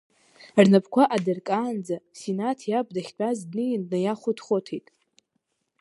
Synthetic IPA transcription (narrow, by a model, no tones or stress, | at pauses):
rnapʰkʷʰaʔadɨrkʼaːnd͡zasinatʰjab̚ʰʼdaχʲt͡pʼazdnɨjnnajaχʷʊtʰχʷotʰejtʼ